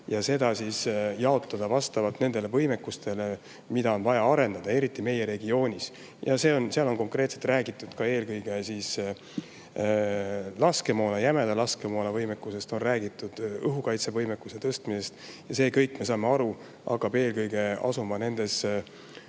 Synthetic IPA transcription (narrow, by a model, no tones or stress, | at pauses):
jɑse̞d̪̥ɑsisjɑo̞t̪ːˑɑd̪̥ɑvɑst̪ɑvɑlt̪ne̞nd̪̥e̞le̞vɤjme̞kːust̪e̞le̞ | mid̪ɑo̞nvɑjɑɑɾe̞nd̪ɑd̪̥ɑe̞ɾit̪ːˑime̞je̞ɾe̞ɡio̞ːnʲis | jɑse̞ːo̞nseɑlo̞nko̞ŋkre̞ːt̪se̞̥t̪ræːɡit̪ːˑud̪̥kɑe̞ːlkɤjɡ̥e̞sis | lɑske̞mo̞ːnɑjæmed̪elɑskemoːnɑvɤjmekːuse̞st̪o̞nræːɡit̪ːˑud̪̥ɤɦukɑjt̪se̞vɤjmekːˑuse̞t̪ɤst̪mise̞st̪jɑse̞ːkɤjkːˑme̞s̬ɑːme̞ɑɾu | ʔɑ̰kːˑɑb̥e̞ːlkɤjɡ̥e̞ɑ̰sumɑne̞nd̪̥e̞s